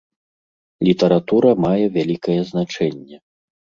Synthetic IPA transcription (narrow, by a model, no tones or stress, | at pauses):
lʲit̪ɐɾat̪uɾɐmajɛvʲalʲikɐjɛznat͡ʂɛnʲːɛ